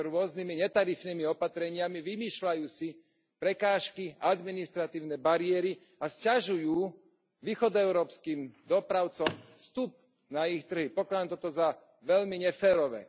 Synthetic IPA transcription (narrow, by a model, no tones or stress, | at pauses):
ɾʊɔznimiɲɛt̪aɾifnimiɔpat̪ɾɛɲɪamiʋimiːʃlajuːsi | pɾɛkaːʃkiad̪minist̪ɾat̪iːʊnɛbaɾɪɛɾi | ascaʒujuː | ʋiːxɔd̪ɛʊɾɔːpskiːmd̪ɔpɾaʊt͡sɔmfst̪up̚ | naixt̪r̩ɦipɔklad̪amt̪ɔt̪ɔza | ʋɛʎmiɲɛfɛːɾɔʋɛ̰